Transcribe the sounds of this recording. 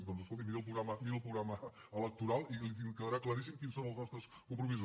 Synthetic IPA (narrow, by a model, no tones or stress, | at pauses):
pɔnuzəskolˠt̪̬imiɾelˠp̬ɾuɣɾaməmiɾəlˠpɾuɣɾaməələk̚t̪uɾalˠilit̪ikəðəɾaklˠaɾis̬imkinsõnəlˠznɔst̪ɾəskumpɾumizo